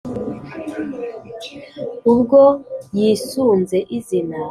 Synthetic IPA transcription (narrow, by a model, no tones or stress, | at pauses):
ubɡojiːsunzeʔizina